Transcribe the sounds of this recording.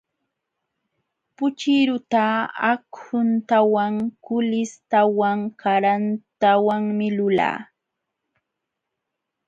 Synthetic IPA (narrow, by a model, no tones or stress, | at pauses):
pʊt͡ʃɪɾʊt̪aakhʊnt̪awaŋkʊlɪst̪awaŋkaɾant̪awaŋmɪlʊla̰ː